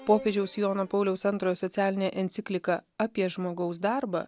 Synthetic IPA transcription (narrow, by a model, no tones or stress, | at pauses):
poːpʲeːd͡ʒʲɛʊsjoːnɐpɒʊlʲɛʊsɐnt̪ɾoːjɛsɔt̪sʲæːlʲɪnʲɛʔɛnʲt̪sʲɪkʲlʲɪkɐɐpʲiɛʒmoːɡɐʊsd̪ɑˑɾbɐ̰